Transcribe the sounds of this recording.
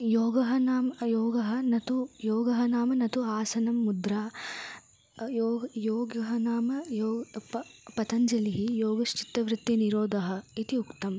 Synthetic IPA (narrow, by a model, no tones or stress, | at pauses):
joːɡɐɦɐnaːmjɔːɡɐɦɐnɐt̪ujoːɡɐɦɐnaːmɐnɐt̪uaːsɐnɐmːud̪ɾaː | joːjɔːɡɐɦɐnaːmɐjɔːɐpɐt̪ɐɲd͡ʒɐliɦijoːɡɐʃt͡ʃi̥t̪ːɐʋɾɪt̪ːiniɾoːd̪ʱɐɦɐ̆it̪iukt̪ɐm